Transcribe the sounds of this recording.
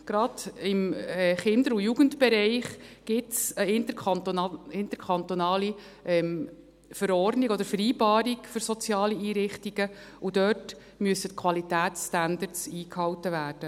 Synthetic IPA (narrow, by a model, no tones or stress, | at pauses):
ɡ̥ɾɑd̥ɪmɛχɪnd̪əɾujuɡ̥əntbɛɾɛɪχɡ̥ɪtsəɪnt̪ə | ɪnt̪əɾkʰɑnt̪ɔnɑːli | ʔɛm | fəɾɔrdniɡɔd̪əɾfəɾiːbɑːɾikføɾsɔt͡sjɑːliiːɾɪχtiɡ̥əud̥œt | myəsətkʰwɑlitæːtsstænd̪əɾtsiːkhɑwtəʋæːrd̥ə